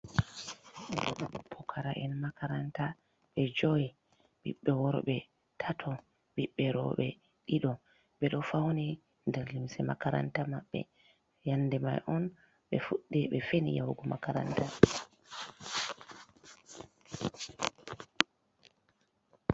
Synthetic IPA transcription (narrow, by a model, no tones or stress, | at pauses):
ɛɗɔɗɔpʰːɔkʰaɾaʔɛnmakaɾanta | ɓɛd͡ʒɔji | ɓḭɓːɛwɔɾɓɛ | tʰatʰɔ | ɓiɓːɛɾɔ̰ɓɛ | ɗiɗɔ | ɓɛɗɔfawni | ndɛɾlimsɛma̰kaɾa̰ntamaɓːɛ̰ | janːdɛma̰jʔɔn | ɓɛfuɗːɛɓɛfenḭjawɡɔmakaɾa̰nta